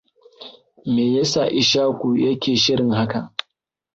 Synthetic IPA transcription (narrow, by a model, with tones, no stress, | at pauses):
meː˨jɐ˦sa˨ʔɪ˨ʃaː˦kʷu˨jɐ˦kʲeː˨ʃɪ˦ɽɪ˨ŋɦa˦ka˨